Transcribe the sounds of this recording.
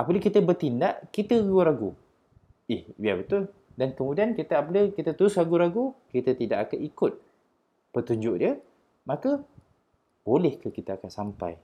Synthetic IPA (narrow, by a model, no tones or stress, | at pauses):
ʔapələkit̪əbərt̪indaʔkit̪əɡuəɾaɡu | ɪhwiabət̪ʊl | dankəmudiankit̪əapələkit̪ət̪uɾʊsɾaɡuɾaɡukit̪ət̪idaʔakanikʊt̪̚ | pət̪uɲd͡ʒʊʔdiə | makə | b̥olɛhkəkit̪aakansampa̰j